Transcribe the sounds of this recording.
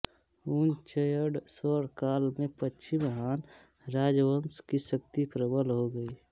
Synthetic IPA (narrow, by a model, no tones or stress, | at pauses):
uːnt͡ʃəjəɖsɔːɾkaːlmẽpətːt͡ʃʰimɦaːn | ɾaːd͡ʒwənskisək̚t̪ipɾəbəlɦoɡəi